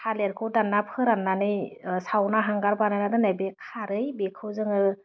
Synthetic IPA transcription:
kʰaleɾkʰɯwdanːapʰɯɾanːanɯjsawnaɦaŋɡaɾbanajnadɯnajbekʰaɾɯjbekʰɯwzɯŋɯ

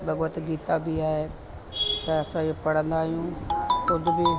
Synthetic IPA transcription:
bɐɡət̪ɡiːt̪abɪaːɦeː | t̪ɛ̃ɐsãopɐɽə̃nd̪aːɦijũːkʊd̪ʱʊbɪ

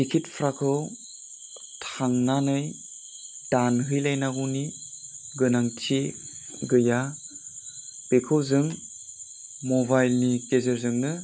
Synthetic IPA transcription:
ikʰit̚pʰɾakʰɯw | tʰaŋnanɯj | d̥anɦɯjlajnaɡuni | ɡɯnaŋtʰe | ɡɯja | pekʰɯwzɯŋ | mobajlnikezəɾzɯŋnɯ

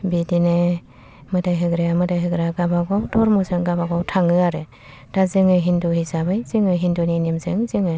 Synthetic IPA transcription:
bidine | mɯdajɦɯɡɾeamɯdajɦɯɡɾaɡabaɡawtʰɔɾmusɯŋɡabaɡawtʰaŋɯaɾe | d̥azɯŋɯɦinduɦisabɯjziŋɯjɦinduninimzɯŋziŋɯj

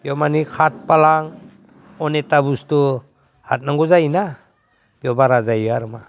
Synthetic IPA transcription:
bjɔmanikʰat̚palaŋ | ɔnetabustu | ha̰t̚naŋɡɔzajina | b̥jɔbaɾazajɡaɾma

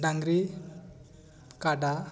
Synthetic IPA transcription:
ɖaŋɡɾi | kaɖa

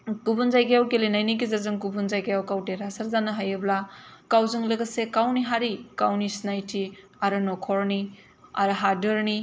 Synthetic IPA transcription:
kubunzajɡajawkelenajnik̬izazɯŋkubunzajkajawkawteɾasɐɾzanaɦajɯblakawzɯŋlɯɡɐsekawniɦaɾikawnisnajtʰi | aɾɯnɔkʰɔɾni | a̰ɾɯɦadɯɾni

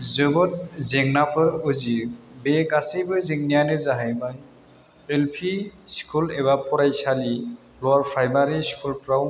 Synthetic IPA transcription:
zɯɡɔt̚zɛŋnapʰɯɹuzibɛkasejbɯzeŋnijanɛzaɦajmaj | elpʰiskʰulɛβapʰɔɾajsali | lɔaɹpʰɹajmaɹiskʰulpɹaw

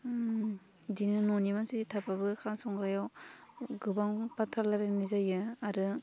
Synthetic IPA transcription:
dinɯnonimansitʰapʰabɯkʰansɔŋɡɾajawɡɯbaŋpatʰalaɾɯnizajɯaɾɯ

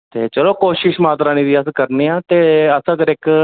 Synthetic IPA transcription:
t̪ḛːt͡ʃəloːkoːʃɪʃmaːt̪ɾaːniːd̪iːəskəɾneːãːt̪eːəsãːkəɾɪk

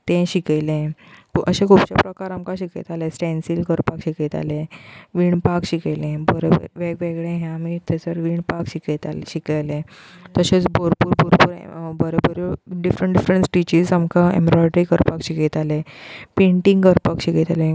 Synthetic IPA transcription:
t̪ẽɕikelẽkəɕẽkʰupt͡ɕapɾəkaɾamkaɕikḛt̪alesʈɛ̃nsilkəɾpakɕiket̪a̰leʋiːɳpakɕikejlẽbəɾeb̰ʋeɡʋeɡɭẽɦɛ̃amit̪ɛt͡səɾʋiːɳpakɕiket̪a̰ɕikajlẽ | t̪əɕet͡sboɾpuːɾpuɾpuːɾ̰bəɾebəɾeɖifɾəɳʈɖifɾəɳsʈit͡ɕizamkaḛmɾɔjʈɾikəɾpakɕiket̪alepẽɳʈĩŋɡkəɾpakɕiket̪alẽ

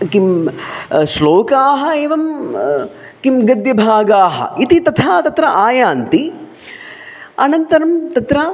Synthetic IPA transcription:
kim | ʃloːkaːɦɐeːʋɐm | kimɡɐd̪jɐbʱaːɡaːɦɐ̰it̪it̪ɐt̪ʰaːt̪ɐt̪ɾɐʔaːjaːnt̪i | ɐnɐnt̪ɐɾɐmt̪ɐt̪ɾɐ

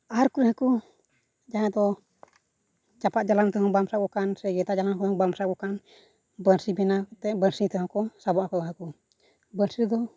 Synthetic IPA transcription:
aɾkuɾhaku | d͡ʒaɦãd̪ɔ | t͡ʃapaʔ̪̚d͡ʒalamt̪ɔɦɔŋbamsakɔkansɛɡɛt̪ad͡ʒalamkɔt̪ɔŋbamsakɔkan | bəɾsibɛnakt̪ɛbəɾsit̪ɛɦɔ̃kɔsabɔʔakɔd̪ɦaku | bəɾsid̪ɔ

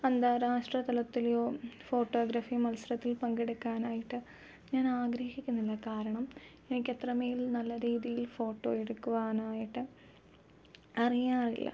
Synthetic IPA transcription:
ɐnd̪aːɾaːʂʈrɐt̪ɐlɐt̪ːiljoːfo̞ːʈːo̞ːɡɾɐfimɐlsɐrɐt̪ːilpɐŋɡeɽukːaːnaːjiʈːɨ | ɲaːnaːɡɾɐhikʲːunːilːɐkaːɾɐɳɐm | enikʲːe̞t̪rɐmeːjilnɐlːɐɾiːðijilfo̞ːʈːo̞̰ːeɽukːuʋaːnaːjiʈːɨ | ɐrijaːrḭlːɐ̰

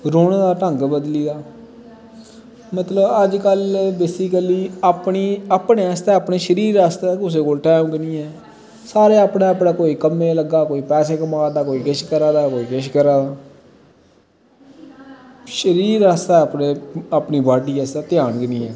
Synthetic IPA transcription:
ɾoːneːd̪aːʈə̃ŋɡbəd̪liːd̪aː | mət̪ləbəd͡ʒkəlbeːsɪkəliːaːpniːaːpnest̪ɛːəpneːʃəɾiːɾaːst̪eːkʊs̬eːkoːlʈaːmɡɪniːɛː | saːɾeːapnẽːəpnãːkoːiːkəmẽːləɡaːkoːiːpɛːseːkəmaːd̪aːkoːiːɡɪʃkəɾãːd̪aːkoːiːɡɪʃkəɾaːd̪aː | ʃəɾiːɾaːst̪ɛːəpneːaːpniːbaːʈiːɛsaːt̪ɪjaːnɡənĩːɛː

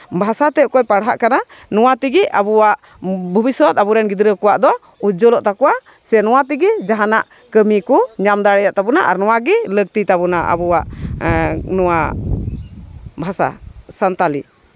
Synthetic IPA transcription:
bʱasat̪ɛkɔjpaɽɦa̰ʔkananɔwat̪iɡiʔabuwaʔ | bʱɔbisɔt̪abuɾɛnɡid̪ɾəkɔwaʔd̪ɔ | ud͡ʒɔlɔʔt̪akɔwa | sɛnɔwat̪iɡid͡ʒaɦanaʔ | kəmikuɲamd̪aɽɛjaʔt̪abunaʔa̰ɾnɔwaɡɛləɡ̚t̪it̪abunaʔa̰buwaʔ | nɔwa | bʱasa̰sant̪ali

